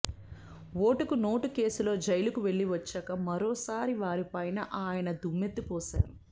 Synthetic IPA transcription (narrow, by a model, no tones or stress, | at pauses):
ʋo̞ːʈukuno̞ːʈuke̞ːsulo̞ːd͡ʒɐjlukuʋe̞ɭːiʋɐt͡ʃːɐːkɐmɐɾoːsaːɾiʋaːɾipɐjnɐʔaːjɐnɐd̪umːe̞t̪ːupɔːʃa̰ːɾu